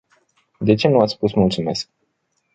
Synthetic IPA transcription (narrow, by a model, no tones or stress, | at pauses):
d̪e̞t͡ʃe̞nuat̪sspusmult̪sume̞sk̚